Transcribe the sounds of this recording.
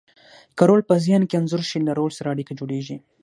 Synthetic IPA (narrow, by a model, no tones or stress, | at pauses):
kaɾolpəzjɑnkeanzʊɾʃilaɾolsaɾaːɽikad͡ʒoɽeʒi